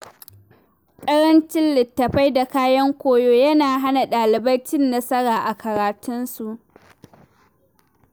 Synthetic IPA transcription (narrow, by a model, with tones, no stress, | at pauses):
kʼɐ˦ɽɐ˦nt͡ʃɪ˦nlɪ˨tːɐ˨ɸa˦jda˨kaː˦jɐ˦ŋkʷoː˦joː˦jɐ˦naː˨ɦa˦na˨ɗaː˨lɪ˨bɐ˦rt͡ʃɪ˦nːɐ˦sɐ˦ɽaː˨ʔa˨kɐ˨ɾaː˨tʊ˦nsu˨ʔ